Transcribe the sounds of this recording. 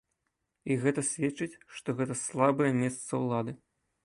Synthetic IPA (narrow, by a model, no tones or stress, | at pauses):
iɣɛt̪ɐsʲvʲɛt͡ʂɨt͡sʲʂt̪ɔɣɛt̪ɐslˠabɐjɛmʲɛst̪sɐwlˠad̪ɨ